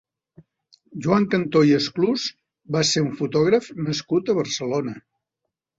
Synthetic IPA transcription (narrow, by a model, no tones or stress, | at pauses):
ʒuaŋkənt̪ojəskluz | baseɾuɱfut̪ɔɣ̞ɾəfnəskut̪əβəɾsəlonə